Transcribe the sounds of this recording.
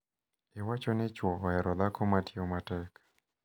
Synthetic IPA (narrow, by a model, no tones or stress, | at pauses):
ewat͡ʃɔnɛt͡ʃwɔɔɛɾɔd̪akɔmatʰiɔmatɛkḁ